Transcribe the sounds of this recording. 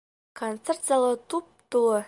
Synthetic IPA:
kont̪sert̪z̥alˠot̪up̚t̪ulˠə

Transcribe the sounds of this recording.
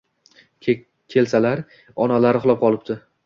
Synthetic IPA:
kʲʰe̞lsalaɾ | ɒnalaɾɪχʊlˠɒp̚qʰɒlˠɪp̚t̪ɪ

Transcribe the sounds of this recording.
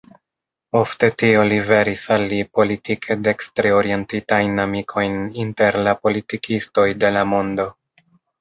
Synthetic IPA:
o̞fte̞tio̞live̞ɾisalːipo̞litikʰe̞de̞kstɾeo̞ɾie̞ntitajnamikʰo̞jninte̞ɾlapo̞litikisto̞jde̞lamo̞ndo̞

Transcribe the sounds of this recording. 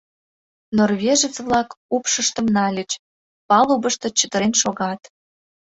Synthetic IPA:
norβʲeʒə̆t͡sβlɑkupʃəʃt̪ə̆mnɑlʲət͡ɕ | pɑlubəʃt̪ɤ̆t͡ɕət̪ə̆ɾenʃoɣɑt̪

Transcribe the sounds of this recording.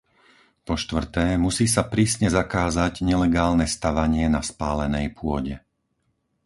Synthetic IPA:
pɔʃt̪ʋr̩t̪ɛːmusiːs̬apɾiːsɲɛzakaːzaɟɲɛlɛɡaːlnɛst̪aʋaɲɪɛnaspaːlɛnɛjpʊɔɟɛ

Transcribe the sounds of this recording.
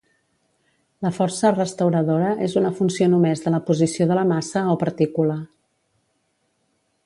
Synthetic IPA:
ləfɔɾsərəst̪əwɾəðoɾəʔezunəfunsionumɛzðələpuzisioðələmasəopəɾt̪ikulə

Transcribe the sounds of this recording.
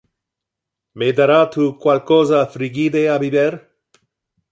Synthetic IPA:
med̪aɾat̪ukwalkɔzafɾiɡid̪eabibeɾ

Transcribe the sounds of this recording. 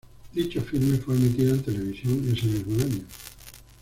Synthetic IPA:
d̪it͡ʃofilme̞fweamit̪iðoent̪e̞le̞β̞isjoŋːesemizmoaɲo

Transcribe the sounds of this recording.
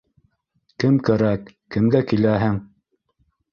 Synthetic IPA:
kɘmkæɾækːɘ̆mɡækilæɦɘŋ

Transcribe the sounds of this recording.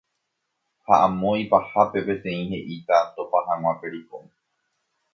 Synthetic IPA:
haʔãmõjpahape̞pe̞t̪ẽ̞ĩhe̞ʔit̪at̪o̞pahãw̃ʷãpe̞ɾiko

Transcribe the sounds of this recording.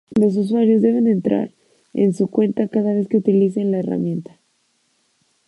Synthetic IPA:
lo̞s̬us̬waɾjo̞zðe̞β̞e̞ne̞nt̪ɾa̰ɾ | ḛnsukwe̞nt̪akaðaβe̞skeut̪ilis̬e̞nlae̞ra̰mjẽ̞nt̪ḁ

